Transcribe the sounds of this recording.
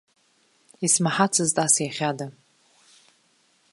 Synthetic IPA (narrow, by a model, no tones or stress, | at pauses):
ismaħat͡sʰɨztʼasjaχʲada